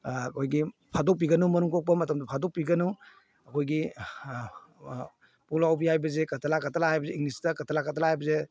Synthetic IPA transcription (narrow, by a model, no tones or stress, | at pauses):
ɐkʰojɡipʰadok̚p̬iɡɐnumɐnuŋtok̚pɐmɐtɐmdpʰadok̚piɡɐnu | ɐkʰojɡi | pulawbihajbɐzekɐtʰɐlakatʰɐlaajbɐzeiŋnistɐkɐtʰɐlakatʰɐlahajbɐze